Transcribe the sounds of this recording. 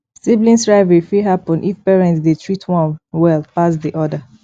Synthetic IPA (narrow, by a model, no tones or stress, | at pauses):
siblĩnstɹaɪvɛɹifiɦapɔ̃nʔifpɛɹɛ̃ntsdetʰɹitʰwɔ̃nwɛlˠpasdiʔɔdə